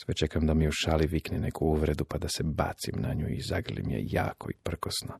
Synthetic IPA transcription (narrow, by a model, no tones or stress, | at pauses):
sʋet͡ʃekamd̪amiuʃaːliʋiknɛne̞kʰuuʋɾe̞d̪upad̪aseba̰ːt̪simnaɲṵizaɡlḭmjḛja̰ːko̞̰ipr̩kosno